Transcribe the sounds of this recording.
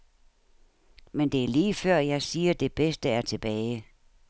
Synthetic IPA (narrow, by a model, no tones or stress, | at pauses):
mend̥e̝æɐliːfɶɐ̰jɑ̈ɪsiːɐd̥e̝b̥esd̥əæɐt͡sʰe̝b̥ɛːɪ